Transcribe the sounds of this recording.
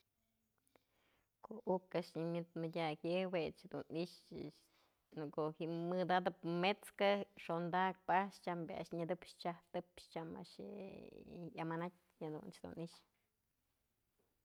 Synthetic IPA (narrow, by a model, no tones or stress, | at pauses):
koukaʂɲimʲɨt̪madʲakjewet͡ʃhd̪uniʂ | nɨkohimɨd̪ad̪ɨpmet͡skaʂond̪ak̚paʂt͡ʃambʲa̰ʃɲɨd̪ɨpʃt͡ʃaht̪ɨpʃt͡ʃama̰ʃḛ | jamanat̚ʲ | had̪ṵnt͡ʃd̪ṵniʃ